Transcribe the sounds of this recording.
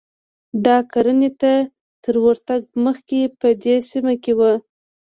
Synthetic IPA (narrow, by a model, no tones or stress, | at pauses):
d̪ɑkaɾənet̪a | t̪əɾwəɾt̪aɡ̚məxkepəd̪esimakewə